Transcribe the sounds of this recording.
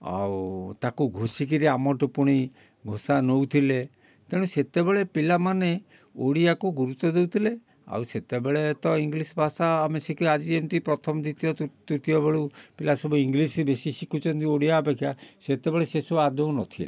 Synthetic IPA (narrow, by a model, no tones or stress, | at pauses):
a̰wt̪akuɡʱosikiɾiamɔʈɔpuɽ̃i | ɡʱosanowt̪ʰile | t̪eɽũset̪ebeɭepilamane | oɽiakuɡuɾut̪ːɔd̪ewt̪ʰile | a̰wset̪ebeɭet̪ɔiŋɡlisɔbʱasaːmesekiad͡ʒiemt̪ipɾɔt̪ʰɔmɔd̪it̪ijɔt̪ut̪ijɔbeɭupilasɔbuiŋɡlisɾibesisikʰut͡ʃʰɔnt̪ioɽijabekʰiaset̪ebeɭesesuad̪ownɔt̪ʰilḛ